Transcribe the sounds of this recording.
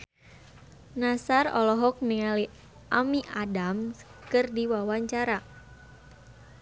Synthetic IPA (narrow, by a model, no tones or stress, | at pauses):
nasarɔ̰lɔɦɔk̚niali | ʔamiʔadamkɨrdiwawaɲt͡ʃaɾa